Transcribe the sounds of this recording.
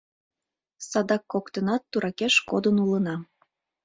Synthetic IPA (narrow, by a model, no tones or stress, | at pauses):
sɑd̪ɑkːokt̪ənɑt̪ːuɾʔɑkeʃkod̪ənulənɑ